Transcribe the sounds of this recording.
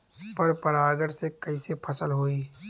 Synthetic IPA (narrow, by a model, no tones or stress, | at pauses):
pɐɾpɐɽaːɾɡəɽsekɐisepʰɐsəlɦoːiː